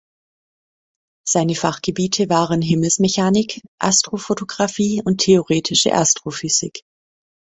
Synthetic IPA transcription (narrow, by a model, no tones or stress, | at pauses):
z̥aɪnəfaχɡ̥əbiːtʰəvaːʁənɦɪml̩smeçaːnɪkʔa̰stʁ̥ofotoɡʁafiːʊntʰːeoʁeːtʰɪʃə̰ʔa̰stʁ̥ofyz̥ɪ̰k